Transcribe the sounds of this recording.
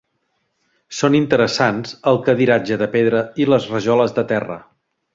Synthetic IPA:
sonint̪əɾəsanzəlˠkəðiɾad͡ʒəðəpeðɾəiləzrəʒɔləzðət̪ɛrə̰

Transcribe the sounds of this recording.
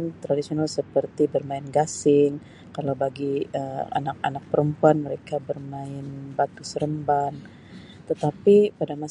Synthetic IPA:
nt̪ɾadisionalsəpərt̪ibərmaɪnɡasɪŋ | kalawbaɡiəa̰nak̚a̰nak̚pəɾəmpuanməɾekabərmaɪnbat̪̚ɡʊsəɾəmban | t̪ət̪apipadama

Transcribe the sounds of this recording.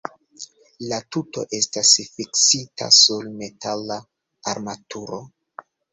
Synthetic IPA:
latuto̞̰ʔe̞stasfiksita̰sulme̞tala | aɾmatuɾo̞

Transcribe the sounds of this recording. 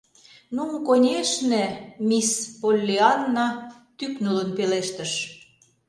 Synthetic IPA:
numkonʲeʃnemʲispolʲːiɑnːɑ | t̪yknulə̆npeleʃt̪ə̆ʃ

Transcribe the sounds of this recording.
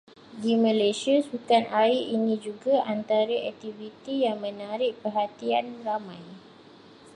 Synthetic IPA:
dimə̃lesiasbukanaiinĩd͡ʒuɡaʔant̪aɾaɛk̚t̪ivit̪ijaŋmə̃naɾɪʔ̚pərɦat̪ianramãj

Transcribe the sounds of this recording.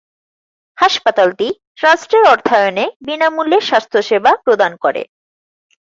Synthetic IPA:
haʃpat̪alti | ɾasʈɾeɾɔɾt̪ʰajonebinamuleɾʃast̪ʰoʃebʱapɾod̪ankoɾḛ

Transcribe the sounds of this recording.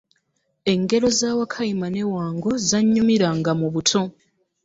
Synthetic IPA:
e̞ŋɡe̞ɾo̞zaːwakʰajimane̞waːŋɡo̞zaɲːumiɾaŋɡamuβutʰo̞

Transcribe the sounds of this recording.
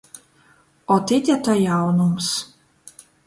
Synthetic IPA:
ɔt̪it̪ʲat̪ɔjawnums

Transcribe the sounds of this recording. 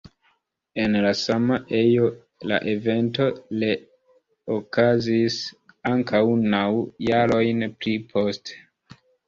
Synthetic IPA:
e̞nlasamaʔe̞jo̞ | la̰ʔeve̞nto̞le | okʰazisaŋkʰawnawjaɾo̞jnplipʰo̞ste̥

